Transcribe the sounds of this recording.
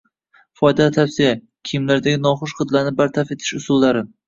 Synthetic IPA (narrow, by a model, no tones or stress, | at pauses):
fɒjd̪alt̪ʰafsɪja | kʲʰijɪmlaɾd̪aɡʲɪnɒχʊʃqɨd̪laɾnɪbaɾt̪ʰafe̞t̪ʰɪ̥ʃʊsʊlːaɾɪ